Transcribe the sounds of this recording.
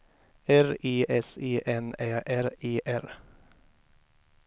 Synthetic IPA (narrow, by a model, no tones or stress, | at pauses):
æɾiːʔɛseːʔɛnæːʔæɾeːʔæɾ